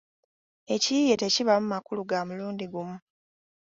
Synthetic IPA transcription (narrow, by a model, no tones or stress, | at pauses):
e̞cije̞te̞ciβamumakuluɡamuluːndiɡumu